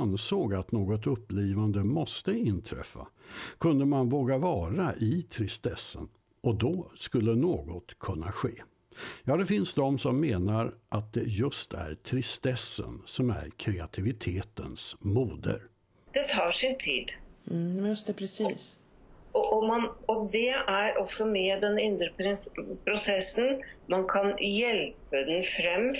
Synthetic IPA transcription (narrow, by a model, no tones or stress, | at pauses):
nsoːɡat̪noːɡɔt̪ɵpːliːvand̪əmɔst̪əɪnt̪ʰɾɛ̰fːa̰kʰɵnd̪əmanvoːɡavɑːɾaʔɪt̪ʰɾɪst̪ɛsːə̰n | ʔɔd̪ɔskɵlːənoːɡɔt̪kʰɵnːaɧeː | jɑːd̪ɛfɪnsd̪ɔmsɔmːeːnaɾʔat̪̚d̪ɛjɵst̪ʰæ̰ɾt̪ʰɾɪst̪ɛsːə̰nsɔmæ̰ɾkʰɾɛat̪ʰɪvɪt̪ʰeːt̪ənsmuːd̪ə̰ɾ | d̪̥ɛt̪ʰɑːʂɪnt̪ʰiːd̪̩ | jɵst̪ɛpʰɾɛsiːs | ɔʔɔmɑnɔd̪ɛæɾʔɔksɔmɛːd̪ɛnɪnd̪ɾəpʰɛpʰɾʊsɛsːənmɑnkʰɑnjɛlpəd̪ɛnfɾɛm